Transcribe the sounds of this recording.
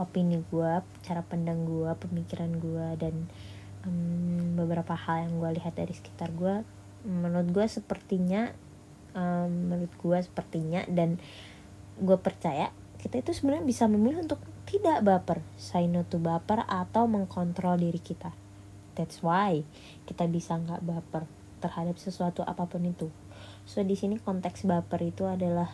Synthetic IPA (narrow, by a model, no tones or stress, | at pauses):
opiniɡua | t͡ʃaɾapandaŋɡuapəmikiɾanɡuadan | ʔəmbəbəɾapahaljaŋɡualiɦat̪̚daɾisə̥ki̥t̪arɡua | mːənʊt̪̚ɡuasəpərt̪iɲa | əmːəɾʊt̪̚ɡuasə̥pərt̪iɲa̰dan | ɡuapərt͡ʃaja | kit̪ait̪usəbənaɲabisaməmuilunt̪ʊk̚t̪idaʔbapərsainot̪ubapərat̪awməŋkɔnt̪ɾɔldiɾikit̪a | t̪ɛt̪swaj | kit̪abisaŋɡaʔbapər | t̪ərhadap̚səsuat̪uʔa̰papʊnit̪u | sohdisinikɔnt̪ɛksbapərit̪uadalah